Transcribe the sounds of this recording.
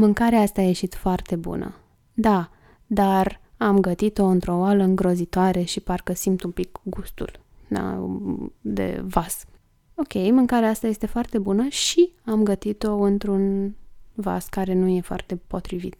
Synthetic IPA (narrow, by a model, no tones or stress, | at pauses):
mɨŋkaɾeaast̪aːje̞ʃit̪foart̪e̞bṵnə̰ | d̪a | d̪aramɡət̪it̪o̞ɨnt̪ɾo̞waləɨŋɡɾo̞zit̪oaɾe̞ʃiparkəsimt̪umpikɡust̪ṵl | d̪a̰ | d̪e̞̰vas | o̞kʲe̞jmɨŋkaɾeaast̪aje̞st̪e̞foart̪e̞bunəʃiamɡət̪it̪o̞ɨnt̪ɾun | va̰skaɾe̞nuje̞foa̰rt̪e̞po̞t̪ɾivḭt̪̚